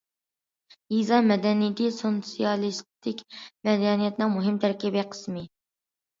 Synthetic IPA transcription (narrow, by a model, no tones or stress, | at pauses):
izɑmɛd̪ɛnijt̪ɪsot̪sijɑlˠist̪ʰɪkʲmɛd̪ɛnijɛt̪nɨŋmuɦɪmt̪ʰæɾkʲibiqʰə̥smɪ